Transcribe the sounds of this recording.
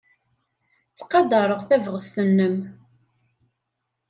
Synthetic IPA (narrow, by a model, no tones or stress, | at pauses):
t͡sːqɑd̪ɑɾˤəʁθævʁəst̪ənːəm